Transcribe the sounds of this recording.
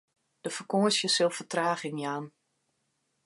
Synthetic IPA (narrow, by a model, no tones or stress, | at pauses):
d̥əfərkoəsjəsɪlˠfətraːχɪŋjaːn